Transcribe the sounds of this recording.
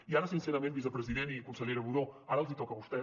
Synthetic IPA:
iaɾəsinsɛɾəmẽnbisəpɾəziðent̪iəkunsəʎeɾəβuðoaɾəlˠzit̪ɔkəβust̪ɛ

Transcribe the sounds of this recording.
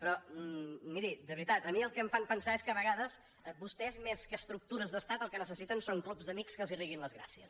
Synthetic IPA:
pɾɔ | miɾid̪əβɾit̪at̪əmiəlˠkəɱfampənsaeskəβəɣaðəz | bust̪ɛzmeskəːst̪ɾuk̚t̪uɾəzðəst̪at̪əlˠkənəsəsit̪ənsoŋklubzd̪əmikskəlˠziriɣ̞inləzɣɾa̰siə̰s

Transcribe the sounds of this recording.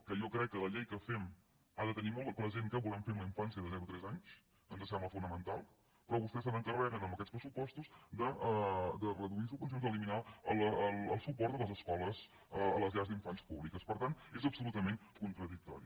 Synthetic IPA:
kəjɔkɾɛkːələʎejkəfɛm | aðət̪ənimɔlˠpɾəzeŋkəβulɛmfeumləiɱfansijəðəðɛɾut̪ɾɛzaɲs | ənzəsɛmbləfunəmənt̪a̰lˠ | pɾɔβust̪ɛs̬ənəŋkərɛɾənəmbəkɛtt͡sspɾəsupɔst̪usd̪əd̪ərəðuisukuns̬onzəliminaələələlˠsupɔɾt̪ələzəskɔləz | əə̰ləzʎazd̪iɱfanspuβlikəspəɾt̪ant̪ezəpsulut̪əmenkunt̪ɾəðik̚t̪ɔ̰ɾi

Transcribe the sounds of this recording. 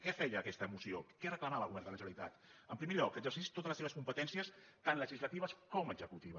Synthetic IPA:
kɛfɛʎəːkɛst̪əːmusiokɛrəkləmaəlˠɣuβɛɾnd̪ələʒəβəlit̪a̰t̪əmpɾimeʎɔkːəɡzərsist̪ot̪ələseβəskumpət̪ɛnsiəs | t̪anləʒizlət̪iβəskɔməɡzəkut̪iβə

